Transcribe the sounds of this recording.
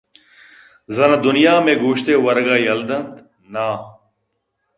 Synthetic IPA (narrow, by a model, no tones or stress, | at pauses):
zɐnad̪ʊnijaːmẽːɡuːɕt̪eːwɐɾɡaːjɐld̪ɐnt̪ | naː